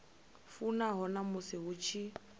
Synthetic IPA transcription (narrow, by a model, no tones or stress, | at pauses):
funaɦɔnamʊsɪɦʊt͡ʃʰi